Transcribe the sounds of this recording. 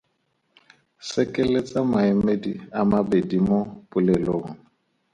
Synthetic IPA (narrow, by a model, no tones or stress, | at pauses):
sɛkʼɛlet͡sʼamaɛmediamabedimopʼʊlɛloːŋ̩